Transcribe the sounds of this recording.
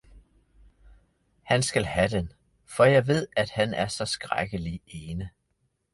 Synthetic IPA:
hænsɡ̥ælhæd̥en | fɒ̽jɑ̈ɪʋe̝ð̞̰ˠæd̥hænæɐsɒ̽sɡ̥ʁa̰ɡ̥əlieːnə

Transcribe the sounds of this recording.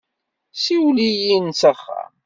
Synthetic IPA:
siwlijinsəχːa̰

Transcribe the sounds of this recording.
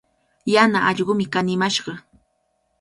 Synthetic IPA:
janaʔɑʎɢʊmɪkanɪmaʃɢɑ

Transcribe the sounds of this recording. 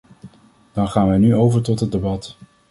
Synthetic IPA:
d̥ɑnχaːnʋɛjnyowvəɹtɔtɦət̚debɑt

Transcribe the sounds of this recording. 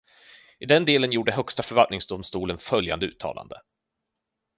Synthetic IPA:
ɪd̪ɛnd̪eːlənjuːɖəɦœkst̪afœɾvalt̪nɪŋsd̪ʊmst̪uːlənfœlja̰nd̪əʉ̟ːt̪ʰːɑ̰ːlʔa̰nd̪ə

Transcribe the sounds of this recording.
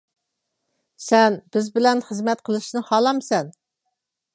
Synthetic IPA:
sɛnb̥ɪzbɪlɛnχəzmɛt̪qʰəlˠɨʃnɨhɑːlˠɑmsɛn

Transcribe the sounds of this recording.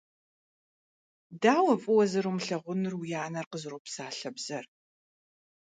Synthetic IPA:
daːwɐpʼɨwɐzɨɾumɬɐʁʷʊnɨrwjaːnɐrqəzɨropsaːɬɐbz̥ɐr

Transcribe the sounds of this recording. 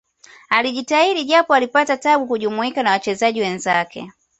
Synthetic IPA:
aliʄitaiɾiʄapɔalipatataɓukuʄumuikanawat͡ʃɛzaʄiwɛnzakɛ̰

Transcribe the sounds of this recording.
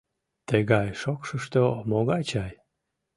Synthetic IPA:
t̪əɣɑjʃokʃəʃt̪omoɣɑt͡ɕɑj

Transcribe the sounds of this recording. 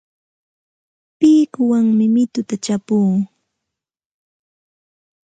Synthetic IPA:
pɪːkʊwaŋmɪmɪt̪ʊt̪at͡ʃapuː

